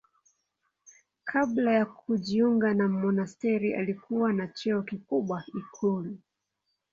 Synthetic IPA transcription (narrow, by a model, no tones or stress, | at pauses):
kʰablajakuʄiuŋɡanamɔnastɛɾiʔa̰likʰuwanat͡ʃɛɔkikuɓwaikʰulu